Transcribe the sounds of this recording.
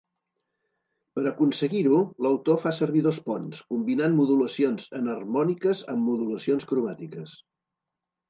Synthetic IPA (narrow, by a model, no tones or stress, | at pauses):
pəɾəkunsəɣiɾuləwt̪ofasəɾβiðospɔnskumbinanmuðuləsionzənərmɔnikəzə̰mːuðuləsionskɾuβat̪ikəs